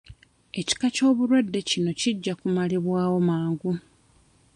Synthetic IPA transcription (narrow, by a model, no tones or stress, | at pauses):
e̞ci̥kaco̞ːβuɾwedːe̞cino̞ciɟːakumaliβwaːwo̞maːŋɡu